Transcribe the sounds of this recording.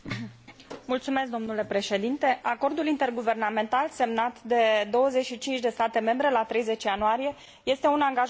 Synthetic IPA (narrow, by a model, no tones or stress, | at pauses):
mult̪sumesk̚d̪o̞mnule̞pɾe̞ʃe̞d̪int̪e̞ʔako̞rd̪ulint̪e̞rɡuve̞rname̞nt̪alse̞mnat̪d̪e̞d̪o̞wəze̞t͡ʃʃit͡ʃint͡ʃʲd̪e̞st̪at̪e̞me̞mbɾe̞lat̪ɾe̞jze̞t͡ʃjanoaɾije̞ | je̞st̪e̞unaŋɡaʒ